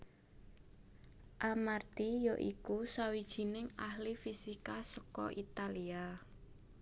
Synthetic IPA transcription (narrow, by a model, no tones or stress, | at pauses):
ʔamart̪ijɔʔikusawid̥ʒ̥i̤nɪŋahlifisikasɔkɔ̰ʔit̪alia